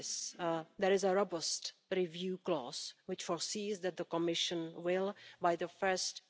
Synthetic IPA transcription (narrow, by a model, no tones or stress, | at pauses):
sd̪ɛɾɪzəɾobəstɾivjuːklɔːz̥wɪt͡ʃfɔɹsiːzd̪ɛt̚d̪əkɔmɪʃə̃nwɪlˠbajðəfɜ˞st